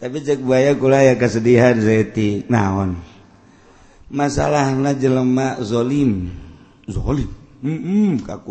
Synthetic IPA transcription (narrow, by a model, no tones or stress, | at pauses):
t̪apid͡ʒak̚buajakulajakasədiɦansaɛt̪inaɔn | masa̰lahnad͡ʒələmazɔlim | zɔ̰lim̩ | ka̰ku